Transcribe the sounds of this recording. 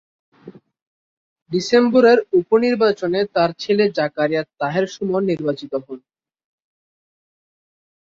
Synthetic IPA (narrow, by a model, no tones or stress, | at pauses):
ɖisemboɾeɾuponiɾbat͡ɕonet̪aɾt͡ɕʰeled͡ʑakaɾijat̪aɦeɾʃɔmɔniɾbat͡ɕit̪oɦɔn